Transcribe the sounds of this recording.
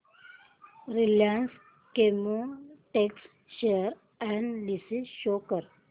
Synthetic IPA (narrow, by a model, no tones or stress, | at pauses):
ɾiljans | kemuʈeks | ʃeɾ | anlisiʃokəɾ